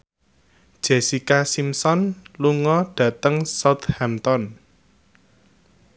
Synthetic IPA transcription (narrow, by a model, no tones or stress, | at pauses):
d̥ʒ̥esikasimsɔnluŋɔɖ̥ä̤t̪əŋsat̪hɛmt̪ɔn